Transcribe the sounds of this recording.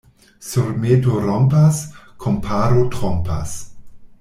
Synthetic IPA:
soɾmetoɾɔmpaskʰompʰaɾotʁɔmpa̰s

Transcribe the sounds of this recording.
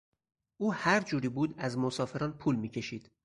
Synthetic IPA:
ʔuːhæɾd͡ʒuːɾiːbuːd̪æzmosɒːfe̞ɾɒːnpʰuːlmiːcʰe̞ʃiːd̪̥

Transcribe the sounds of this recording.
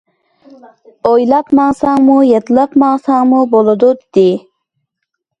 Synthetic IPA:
ojlapmɑŋsɑŋmujet̪ləpmɑŋsɑŋmuboləd̪ud̪i

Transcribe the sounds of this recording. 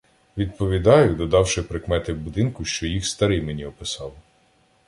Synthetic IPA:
ʋʲid̪̚pɔʋʲid̪ɑjʊd̪ɔd̪ɑwʃɪpɾɪkmɛt̪ɪwbʊd̪ɪnkʊʃt͡ʃɔjixst̪ɐɾɪjmenʲiɔpɪsɑwˠ

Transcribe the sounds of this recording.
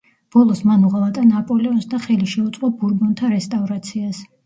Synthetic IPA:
b̥ɔlˠɔsmanuʁalˠat̪ʼanapʼɔlɛɔnsd̪aχɛliʃɛut̪sʼqʼɔbuɾbɔnt̪ʰaɾɛst̪ʼavɾat̪sʰias

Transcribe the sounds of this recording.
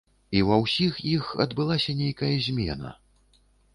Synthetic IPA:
iwɐwsʲixjixɐ̰d̪bɨlˠasʲɐnʲejkɐjɐzʲmʲɛ̰nɐ̰

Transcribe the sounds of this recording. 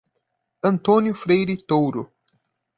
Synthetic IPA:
ɐ̃nt̪õnjʊfɾejɾɪt̪owɾʊ

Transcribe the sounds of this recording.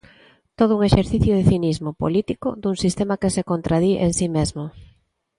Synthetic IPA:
t̪oð̞ʊuŋeʃeɾθiθjʊðeθinizmopo̰lit̪iko̰d̪uŋsist̪emakesekont̪ɾaðiʔensimezmo

